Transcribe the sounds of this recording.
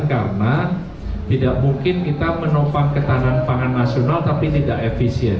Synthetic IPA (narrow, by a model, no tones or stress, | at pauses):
kaɾəna | t̪idaʔmuŋkɪnkit̪amənopaŋkət̪ananpaŋanːasionalt̪apit̪idaʔefisiɛn